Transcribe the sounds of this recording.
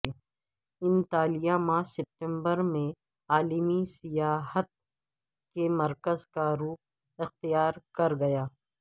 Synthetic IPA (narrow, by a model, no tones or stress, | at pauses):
ɪ̃nt̪aːlijamaːsɛp̚ʈɛ̃mbəɾmẽ | aːlimisɪjaːɦət̪̚ | kemɐɾkəzkaɾuːk̚ | ɪxt̪ijaːɾkɐɾɡɐjaː